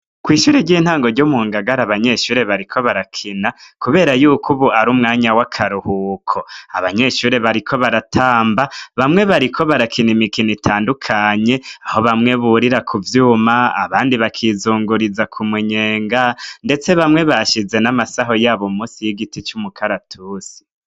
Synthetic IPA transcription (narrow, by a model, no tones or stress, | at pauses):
kwiːʃuːɾeɾɟiːn̥haːŋɡo̞ɾɟomuŋɡaɡaɾaβaɲe̞ʃuːɾe̞βaɾikʰo̞βaɾakʰinakuβe̞ːɾajuːkuβuʔaɾumŋaːɲawakʰaɾuhukʰoaβaɲe̞ʃuːɾeβaɾikʰo̞βaɾatʰaːmbaβamŋe̞βaɾikʰo̞βaɾakʰinimikinitʰaːndukʰaɲe̞aho̞βamŋe̞βuɾiɾakʰuvjuːmaa̰βaːndiβakʰizuːŋɡuɾizakʰumiɲe̞ːŋɡande̞t͡se̞βamŋe̞βaʃize̞namasaɦo̞jaːβomuːsijiɡitit͡ʃumukʰaɾatʰuːsi̥